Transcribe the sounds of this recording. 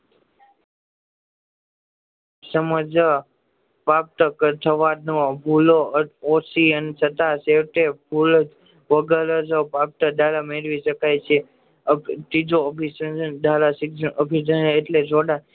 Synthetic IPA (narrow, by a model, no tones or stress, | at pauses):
səməd͡ʒa | pap̚t̪əkət̪ʰəʋanobʱuloosiənesət̪aseʋʈebʱuld͡ʒ | ʋəɡələsopap̚t̪əd̪ʱalameɾʋiʃəkajt͡ʃʰe | t̪id͡ʒoəpisəəd̪ʱalasikəbʱid̪ənːʈled͡ʒoɽa